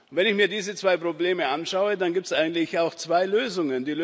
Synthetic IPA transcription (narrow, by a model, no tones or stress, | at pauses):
vɛnɪçmiːɐdiːzət͡sv̥aɪpʁ̥obleːməʔanʃaʊədanɡiːp̚tsʔaɪɡŋ̩tlɪçaʊxt͡sv̥aɪløːzʊŋəndiːl